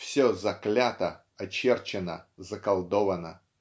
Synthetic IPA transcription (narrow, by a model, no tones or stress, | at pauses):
fsʲozɐklʲat̪ə | ɐt͡ɕert͡ɕɪnə̰zəkɐlˠd̪ovənə̰